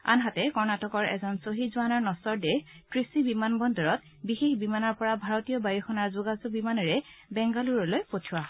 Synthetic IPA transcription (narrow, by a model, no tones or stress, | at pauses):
a̰nɦatɛkɔɹnatɔkɔɹɛ̰zɔnsoɦizuwanɔɹnɔsɔɹdɛxtɹisibimanbɔndɔɹɔt̚ | bixexbimanɔɹpɔɹabʱaɹɔtijɔbajuxɔnaɹzuɡazubimanɔɹɛbɛŋɡaluɹɔlojpotʰuwa